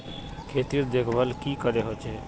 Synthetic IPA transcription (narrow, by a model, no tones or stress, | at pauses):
kʰeːt̪iːɾd̪eːkʰʋəlkiːkəɾeɦoːt͡ʃʰeː